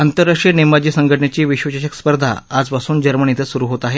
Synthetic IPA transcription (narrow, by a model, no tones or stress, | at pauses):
ant̪əɾːaʂinemad͡ʑiːsəŋɡəʈɳjat͡ɕiːʋiɕʋəɕaɕəkspəɾd̪ʱa̰ad͡zpasuːnd͡ʑəɾməɳit̪ʰəsuɾuːɦot̪aɦe